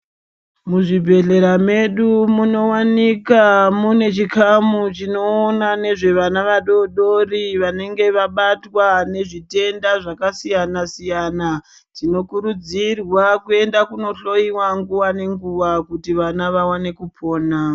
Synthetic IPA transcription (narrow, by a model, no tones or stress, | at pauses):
muʐibʱe̞ɮe̞ɾame̞ɗumuno̞wanikamune̞t͡ʃikamut͡ʃino̞ːnane̞ʐe̞ʋanaʋaɗo̞ɗo̞riʋane̞ŋɡe̞ʋaɓatwane̞ʐite̞ndaʐakasijanasijana | tino̞kuɾud͡zirwakue̞ndakuno̞ɬo̞iwaŋɡuwane̞ŋɡuʋakutiʋanaʋawane̞kupʰo̞ːna